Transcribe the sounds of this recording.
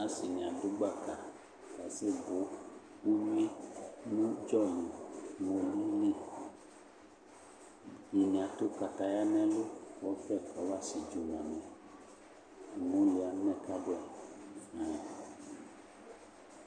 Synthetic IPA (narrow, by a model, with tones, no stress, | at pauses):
a˦si˨nĩ˨ã˨du˦ɡ͡ba˦˨ka˨ | ka˨se˦bo˨˦ | u˦ɲũ˦e˦nũ˦d͡ʒɔ˦˨li˨mõ˨li˦le˦ | ɲi˨nĩ˨ã˨t̪o˦ka˨t̪a˨ja˦nɛ̃˦lo˦kɔ˦fɛ˦˨kɔ˨˦va˦˨si˨d͡ʒo˨n˨ã˨mɛ̃˨ | mõ˨˦li˨a˨˦nɛ̃˦˨ka˦bo˦ɛ˨ | a˨